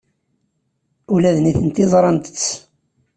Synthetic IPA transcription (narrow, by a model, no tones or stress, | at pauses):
ulæðniθənt̪ɪzˤɾˤɑnt̪ə̥t͡sː